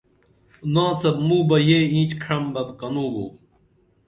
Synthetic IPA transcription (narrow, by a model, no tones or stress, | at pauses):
nãːsɐb̚mũːbɐjeːĩːt͡ɕkʰɾɐmbɐbkɐnũːbo̰ː